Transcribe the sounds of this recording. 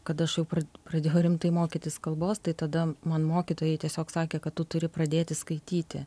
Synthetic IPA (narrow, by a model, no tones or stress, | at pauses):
kɐt̪ɐʃjɛʊpɾɐprɐd̪ʲeːjɛʊɾʲɪmt̪ɐɪmoːkʲɪt̪ʲɪskɐlˠboːst̪ɐɪt̪ɐd̪ɐmɐnmoːkʲit̪oːjɛɪt̪ʲiɛsʲoːksɑːkʲeːkɐtt̪ːʊt̪ʊɾʲɪpɾɐd̪ʲeːt̪ʲɪskɐɪt̪ʲiːt̪ʲɪ̰